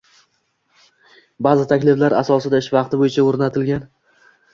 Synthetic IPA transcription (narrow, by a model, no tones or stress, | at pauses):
bazɪt̪ʰakʲlɪflaɾasɒsɪd̪aɪʃvɑqt̪ʰɪbojɪt͡ʃʰaoɾnat̪ʰɪlɡʲan